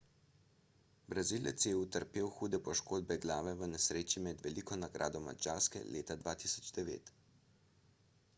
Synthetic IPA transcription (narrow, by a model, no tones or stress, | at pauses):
bɾazilɛ̰t̪sjɛut̪əɾpeːwxuːd̪ɛpɔʃkoːd̪̚bɛɡlaːʋɛʋənɛsɾeːt͡ʃimɛd̪ʋɛlikɔnaɡɾʔa̰ːd̪ɔma̰d͡ʒaːɾskɛ̰lʔeːt̪ad̪ʋaːt̪isɔ̥d͡ʒd̪ɛʋḛːt̪